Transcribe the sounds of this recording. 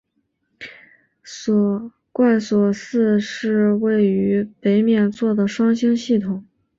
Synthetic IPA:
swɔ˨˩ | kwa˥˩nswɔ˨˩sɹ̩˥˧ʂɻ̩˥˧we˥˩ɪy˧˥pe˧˥ɪmjɛ˥˧nt͡swɔ˥˩d̪ə˩ʂwɑ˥ŋɕi˥ŋɕi˥˩t̪ʰʊ˨˩˦ŋ

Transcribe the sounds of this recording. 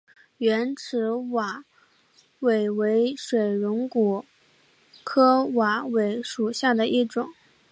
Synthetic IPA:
ɥɛ˧˥nʈ͡ʂʰɻ̩˧˥wa˨˩ | we˨˩ɪwe˧˥ɪʂwe˨˩ɪɻʊ˧˥ŋku˨˩˦ | kʰɤ˥wa˨˧˥we˧˥ɪʂu˨˩ɕja˥˩d̪ə˩ʔi˥˩ʈ͡ʂʊ˨˩˦ŋ

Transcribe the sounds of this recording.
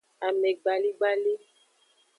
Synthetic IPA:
a˨mɛ˨ɡ͡ba˨li˦ɡ͡ba˦li˦

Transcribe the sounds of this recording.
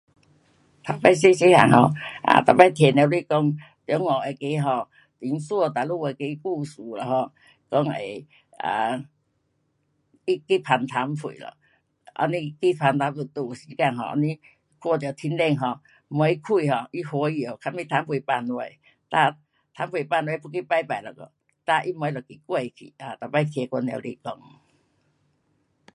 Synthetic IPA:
t̪ʰa˨˧˦pa˧js̬e˦˧˦si˧˦ha̰˨˩ŋɦɔ˧ʔa̰˨t̪ʰa˨˧˦pa˧jt̪ʰjɛ˨ne˧˦li˧˨kɔ˧˦ŋ | t̪jɔ˨˧˦ŋɔ˨e˨ke˧˦ɦɔ˧ | t̪i˨˦ŋswɔ˥˧t̪a˨lu˥˧we˧˩ke˧˦i˧ku˥˧˨su˨lɔ˨˩hɔ˧˩ | kɔ˧˦ŋḛ˨ | a̰˨˩ | i˦ki˦pʰa˨˧nt̪ʰa˨˧˦mfʰṵ˨lɔ̰˧˨ | ʔa̰˧ni˧ki˦pʰa˧nt̪a˧˦pu˧˩t̪u˧˩˨si˧˦ka˧˨ŋɦɔ̰˧˨a̰˧ni˧ | kwɔ˥˧˨t̪jo˨˩t̪ʰi˧˦nle˥˧˨ŋɦɔ˧˩ | m˧ɔ˧˦i˦kʰu˥˧˨ɦɔ˧ʔi˦hwɔ˧˦˧jo˨˩˨kʰa˧nmpi˧t̪ʰa˧˦mpʰwu˨pa˧nwe˧˨ | t̪a˧˨ | t̪ʰa˧˦mfwi˨pa˧nwe˧˦˧pu˧ki˦pa˧˩jpa˨lə̰˨˩kɔ̰˧˩ | t̪a˧ʔi˦mɔ˧˦lɔ˨˩ki˨˩kwe˧˨˧kʰḭ˨a˨˩t̪a˨˩pa˧jkʰje˧kʷɔ˧n˨ḛ˨˧˨lḭ˧˨kɔ˧˦ŋ

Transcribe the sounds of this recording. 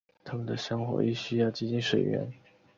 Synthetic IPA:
t̪ʰa˥mə˨nd̪ə˩ɕjɑ˥ŋxwɔ̰˧˥i˥˩ɕy˥jɑ˥˩ʊt͡ɕi˥˩t͡ɕi˥nʂwe˨˩ɪɥɛ̰˧˥n

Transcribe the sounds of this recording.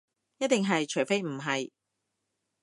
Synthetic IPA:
jɐ˥t̪̚t̪ɪ˨ŋɦɐ˨jt͡ʃʰɵ˨˩ɥfe˥jm̩˨˩ɦɐ˨j

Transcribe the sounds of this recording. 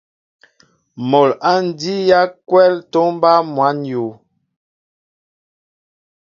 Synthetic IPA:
mɔ˨la˦n˨di˦ja˦kwɛ˦lto˦m˦ba˦mwa˨˦njo˨

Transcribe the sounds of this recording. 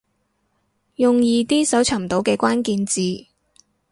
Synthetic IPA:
jʊ˨ŋjiː˧t̪iː˥sɐ˨˥wt͡sʰɐ˨˩mt̪o˨˥wkɛː˧kʷaː˥nkiː˧nt͡siː˨

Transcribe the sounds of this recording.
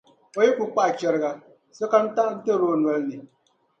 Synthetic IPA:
o˦je˦kʷu˨k͡pa˦˨t͡ʃe˨ɾɣa˨ | so˦ka˦n̩˦ta˦n̩˦te˦ɾo˨˦˨nu˨e˨lni˨

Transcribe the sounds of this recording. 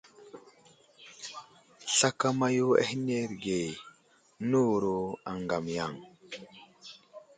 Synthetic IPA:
ɬa˦ka˦ma˦ju˦a̰˦hi˦ne˦ɾɡe˨ | nu˦˨ɾo˨a˨ŋɡa˨mja˦˨ŋ

